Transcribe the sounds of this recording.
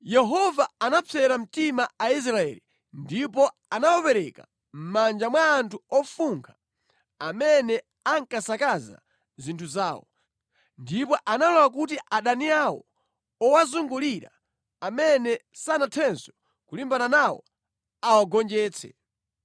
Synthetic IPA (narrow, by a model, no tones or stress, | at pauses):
jɛɦɔvaanapʰɛɾam̩timaais̬ɾaɛ̰li | ndipɔ | anawɔpɛɾɛka̰ | m̩mand͡ʒamwaːntʰuɔfuŋkʰa | amɛnɛ | aŋkasakaza̰ | zintʰuzaːwɔ̰ | ndipɔʔanalɔwak̬ut̬iʔaɗaniawɔ̰ | ɔwazuŋɡuliɾa̰ | amɛnɛsanatʰɛnsɔ̥ | kulimbananawɔ̰ | awaɡɔnd͡ʒɛːt͡sʰɛ̰